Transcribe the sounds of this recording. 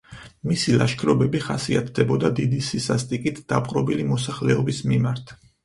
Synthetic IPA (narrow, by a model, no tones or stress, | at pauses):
misilˠaʃkʰɾɔbɛbiχasiat̪ʰd̪ɛbɔd̪ad̪id̪isisast̪ʼikʼit̪ʰd̪̥apʼqʼɾɔbilimɔsaχlɛɔbismimaɾt̪ʰ